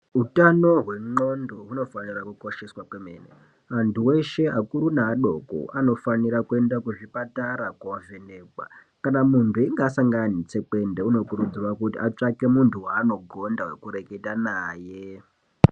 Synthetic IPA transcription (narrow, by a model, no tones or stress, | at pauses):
utano̞ɦwe̞ŋ͡ǃo̞ndoɦuno̞fanirakuko̞ʃe̞swakwemḛːnḛ | antuwe̞ʃe̞akuɾunaːɗo̞ko̰ʔano̞faniɾakue̞ndakuʐipataɾakwaaveneːkwa̰ | kanamuntʰuiŋɡasaŋɡanit͡se̞ke̞ndeuno̞kurud͡zirakutiʔat͡ʂake̞muntʰuwaːno̞ɡʱo̞ndawe̞̰kuɾe̞ke̞tanaːje̞